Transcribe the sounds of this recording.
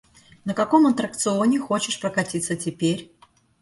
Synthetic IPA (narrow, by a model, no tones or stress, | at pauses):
nəkɐko̞mɐt̪ɾək̚t̪sɨonʲɪxo̞t͡ɕɪʂpɾəkɐtʲit̪sətʲɪpʲeɾʲ